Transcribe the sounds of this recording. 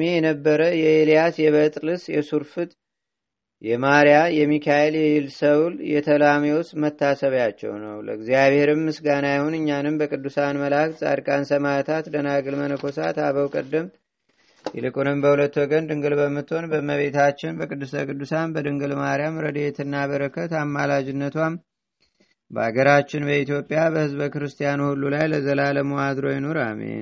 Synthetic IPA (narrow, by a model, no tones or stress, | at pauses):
mejɛnəbːəɾəjɛelijasjɛβət̪ʼlɨsjɛsuɾfɨt̪ʼ | jɛmaɾjajɛmːikʰajeljɛjɪlsəwljɛt̪ʰəlamewosmət̪ːasəβjat͡ʃːɛ̰wnə̰wlə̰ɨɡzijaβhe̞ɾɨmːɨsɡanajhonɨɲːanɨmbəkʼɨd̪ːusanməlaksʼa̰ɾkʼansəmat̪ʰat̪d̪ənaɡɨlmənəkʰo̞sa̰t̪aβəwkʼə̰d̪ːəm | jɛ̰lɨkʼunɨmbəhulət̪ːwɔɡənd̪ɨŋɡɨlbəmːɨt̪ːo̞nbəməβe̞t̪at͡ʃːɪnbəkʼɨd̪ːɨsəkʼɨd̪ːusanbəd̪ɨŋɡɨlmaɾijamɾəd̪e̞t̪ʰɨnːaβəɾəkʰət̪amːalad͡ʒɪnːət̪wam | bəaɡəɾat͡ʃːɪnbəit̪ijo̞pʼːijabəhɨzbəkɨɾɨst̪ʰijanuhulːulajləzəlaləmuad̪ɾo̞jɛnoɾa̰mḛn